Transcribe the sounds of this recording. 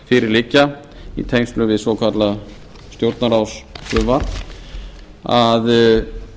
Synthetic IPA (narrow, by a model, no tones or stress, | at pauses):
fɪɾɪɾlɪcːa | ḭt̪ʰejŋst̪lʏvɪðsvɔkʰat̪la | st̪jowɾt̪naɾawsfɾʏva | að